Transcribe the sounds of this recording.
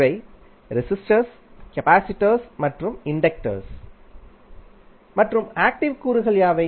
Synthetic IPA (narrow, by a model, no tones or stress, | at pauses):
ʋɐɪ | ɾɪsɪsʈɐɾs | kɐpaːsɪʈːɐɾsmɐʈrɯmɪɳɖɐk̚ʈɐ̰ɾs | mɐʈrɯmaːk̚ʈɪʋkuːɾɯɣɐɭjaːʋɐɪ